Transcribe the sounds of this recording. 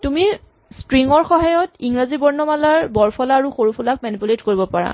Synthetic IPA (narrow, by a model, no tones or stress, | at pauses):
tumi | stɹiŋɔɹxɔɦajɔtiŋɹazibɔɹnɔmalaɹbɔɹpʰɔlaːɹuxoɹupʰulak̚manipuletkoɹibɔpaɹa̰